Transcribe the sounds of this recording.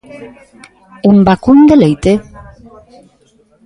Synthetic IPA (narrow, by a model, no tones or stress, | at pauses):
embakund̪elejt̪e